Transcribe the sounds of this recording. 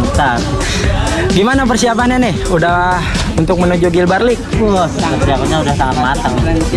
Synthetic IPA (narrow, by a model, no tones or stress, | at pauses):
sar | ɡimanap̬ərsiapananɪhuda | unt̪ʊk̚mənod͡ʒuɡilbarlɪk̚əp̪əɾiakaɲaudahsaŋat̪̚mat̪aŋ